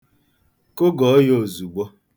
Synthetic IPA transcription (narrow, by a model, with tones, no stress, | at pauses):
ko˦ɡɔ˨˦jo˦˨zu˨ɡ͡bɔ˦